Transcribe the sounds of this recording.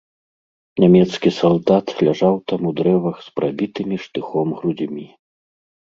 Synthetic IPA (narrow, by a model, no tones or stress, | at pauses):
nʲamʲɛt̪skʲisɔlˠd̪at̪lʲaʐawt̪amud̪ɾɛvɐxspɾʔabʲit̪ɨmʲiʂt̪ɨxɔmɣɾud͡zʲmʲi